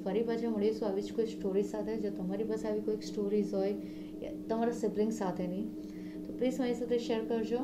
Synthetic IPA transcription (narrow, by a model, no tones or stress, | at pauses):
fɐɾibɐt͡ʃamʊɽisuaːʋit͡ʃkoisʈoːɾisaːt̪ɦɛd͡ʒoːt̪ɐmaːɾibɐsaʋikoisʈoːɾiːzoːe | ja̰t̪ɐmaːɾasɪblɪ̃ŋɡsaːt̪ɦɛnɐĩ | t̪opɾiːsmaĩsɐt̪eʃeːɾkɐɾd͡ʒoː